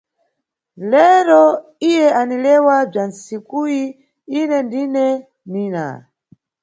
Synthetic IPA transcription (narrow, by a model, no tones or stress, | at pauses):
lɛɾɔ | ijɛanilɛwab͡ʐansikui | inɛndinɛ | niːna̰